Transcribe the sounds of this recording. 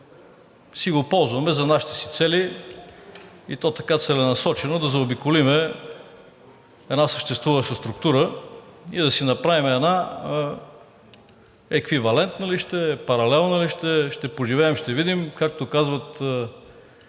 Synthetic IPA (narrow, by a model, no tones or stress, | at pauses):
siɡopɔlˠzvɐmɛzɐnaʃi̥t̪ɛ̥si̥t̪sɛli | ḭt̪ɔt̪ɐkat̪sɛlɛnɐsɔt͡ʃɛnod̪ɐzɐobikolimɛ | ɛd̪nasəʃt̪ɛst̪vuvəʃəst̪ɾʊk̚t̪uɾə | id̪ɐsinɐpɾavimɛd̪na | ɛkvivɐlɛnt̪nəliʃt̪ɛpɐɾɐlɛlˠnəliʃt̪ɛʃt̪ɛpʊʒivɛːmʃt̪ɛvid̪imkak̚t̪okazvət̪